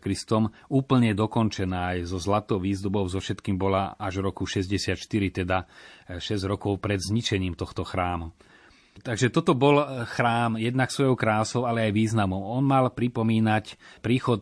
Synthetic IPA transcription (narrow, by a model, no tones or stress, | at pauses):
kɾist̪ɔm | uːpl̩ɲɛd̪ɔkɔnt͡ʃɛnaːajzɔzlat̪ɔʊʋiːzd̪ubɔʊzɔfʃɛt̪kiːmbɔla̰aʒvɾɔkuʃɛzɟɛsɪat̪ʃt̪iɾit̪ɛd̪aʃɛzɟɾɔkɔʊpɾɛd̪zɲit͡ʃɛɲiːmt̪ɔxt̪ɔxɾaːmu | t̪aɡʒɛt̪ɔt̪ɔbɔlxɾaːmjɛd̪naksʋɔjɔʊkɾaːlsɔʊalɛajʋiːznamɔʊɔnmalpɾipɔmiːnacpɾiːxɔt̪̚